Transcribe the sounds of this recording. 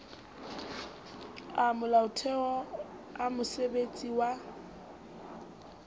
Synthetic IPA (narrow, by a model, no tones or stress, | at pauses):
amʊlaʊtʰɛɔamʊsebet͡sʼiwa